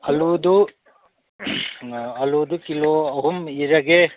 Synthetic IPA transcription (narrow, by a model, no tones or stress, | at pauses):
ɐlud̪u | ɐlud̪ukiloɐɦumiɾɐɡe